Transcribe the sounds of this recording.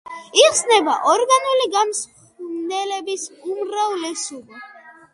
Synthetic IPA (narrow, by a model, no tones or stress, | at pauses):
iqsnɛbaʔɔɾɡanuliɡamsχ | nɛlɛbisumɾavlɛsubi